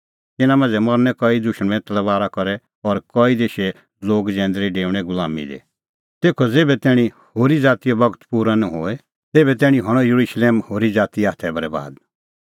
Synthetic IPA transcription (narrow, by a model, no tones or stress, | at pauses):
t̪ɪnãmãːnd͡zɛmɔɾnɛkɔid̪ʊʃəɽ̃ɛ̃t̪ɐlʋaːɾakɔɾɛ | ɔɾkɔid̪eːʃɛ | loːɡd͡ʒɛ̃ːnd̪ɾiɖeːʋɽ̃ɛɡʊlaːmḭd̪ḛ | t̪eːkʰɔd͡zeːbɛt̪ɛːɽ̃ĩ | hoːɾid͡zaːt̪ijobɐɡət̪puːɾanɔɦoːɛ | t̪eːbɛt̪ɛːɽ̃ĩɦɐɽ̃ɔjuɾuʃleːmhoːɾid͡zaːt̪iaːt̪ʰɛbɐɾɛba̰ːd̪